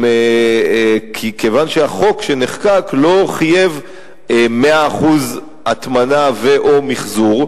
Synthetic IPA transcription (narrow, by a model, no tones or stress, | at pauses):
me | kʰikevanʃeaχo̞kʃeneχkaklo̞χaje̞v | meaːχuz | at̪manaveʔomiχzuʁ